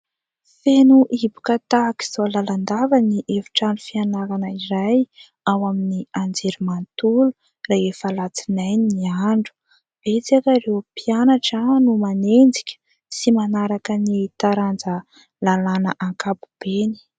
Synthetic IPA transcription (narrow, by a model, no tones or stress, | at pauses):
fenuʔibu̥kat̪aki̥z̥olaland̪avaniʔevi̥ʈ͡ʂaɳɖ͡ʐufianaɾanəiɾaj | awaminiand͡zeɾumant̪ulu | raefəlat͡sinajniaɳɖ͡ʐu̥ | b̥et͡sakaɾewpianaʈ͡ʂanumanend͡zi̥kʲə̥ | simanaɾakənit̪aɾand͡zə | lalanəʔaŋkabu̥b̥eni̥